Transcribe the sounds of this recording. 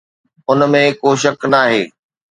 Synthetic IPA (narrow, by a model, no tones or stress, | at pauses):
ʊnmẽkoːʃɐknaːɦeː